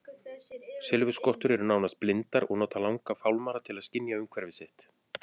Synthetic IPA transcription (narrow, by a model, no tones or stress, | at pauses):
sɪlvʏskɔht̪ʏɾɛɾʏnaːwnast̪̚plɪnt̪aɾɔɣnɔːt̪alawŋkafawlmaːɾat̪ʰɪlaðscɪnjaʏmkʰvɛɾvɪsɪht̪